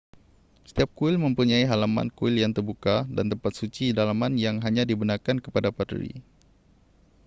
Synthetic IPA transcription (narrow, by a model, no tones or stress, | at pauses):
sə̥t̪iap̚kuɪlməmpuɲaiɦalama̰nkuɪljaŋt̪ərbukada̰nt̪əmpat̪̚sut͡ʃidalamanjaŋɦaɲadibunarkankəpadapatɾḭ